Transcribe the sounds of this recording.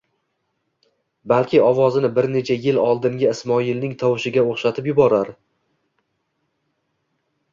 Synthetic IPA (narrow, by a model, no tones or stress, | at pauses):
balˠkʲʰɪɒvɒzɪnɪbɪɾne̞t͡ʃʰajɪlɒlˠd̪ɪŋɡʲaɪsmɒilnɪŋt̪ʰɒwɪʃɪɡʲaoχʃat̪ʰɪpjʊbɒɾaɾ